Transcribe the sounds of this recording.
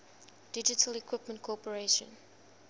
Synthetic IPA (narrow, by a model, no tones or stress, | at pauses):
d̥ɪd͡ʒɪtʰəlikʰwɪpmə̃ntkʰɔpəɹeʃə̰̃n